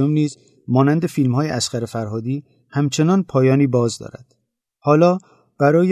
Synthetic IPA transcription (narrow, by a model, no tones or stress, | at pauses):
omniːz | mɒːnænd̪e̞fiːlmhɒːje̞ʔæsqæɾefæɾɦɒːd̪iː | hæmt͡ʃʰe̞nɒːnpʰɒːjɒːniːbɒːzd̪ɒ̰ːɾæ̰d̪̥ | hɒːlɒː | b̥æɾɒːje